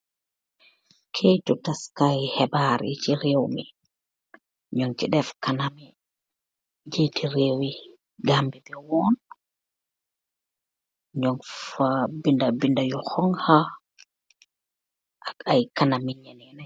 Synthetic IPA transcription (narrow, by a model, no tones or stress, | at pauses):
kʰejtɔtaskajhɛbaɾḭt͡ʃiɾewmi | ɲɔŋt͡ʃiɗɛfkanami | d͡ʒetiɾewi | ɡambibɛwɔn | ɲɔŋfabindabindajɔhɔŋha | ʔakajkanamiɲɛnɛnaj